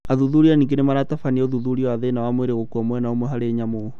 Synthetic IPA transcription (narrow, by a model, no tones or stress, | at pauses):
aðuðuɾianiːŋɡenemaɾatafaniɛoðuðuɾiɔaðenawamweɾeɣokuɔmwɛnaomwɛɦaɾeɲamo